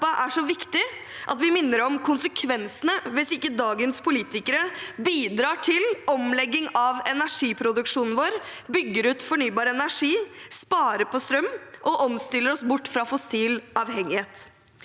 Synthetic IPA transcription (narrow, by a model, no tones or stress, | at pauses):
ɑʔæʂɔʋɪkt̪ɪ | ʔɑt̪ʋɪmɪnːəɾɔmkʰʊnsəkʰʋɛnsənəʋɪsɪkːəd̪ɑːɡənspʰʊliːt̪ɪkəɾəbiːd̪ɾɑːʈʰɪlɔmlɛɡːɪŋɑʋɛnæʂiːpʰɾʊd̪ʉkʂuːnn̩ʋoːɾbʏɡːəɾʉːt̪fɔɳyːbɑːɾɛnæʂiːspɑːɾəpɔst̪ɾœmːʔɔʔɔmst̪ɪlːəɾɔsbʊʈːfɾɑfɔsiːlʔɑːʋhɛŋɪheːt̪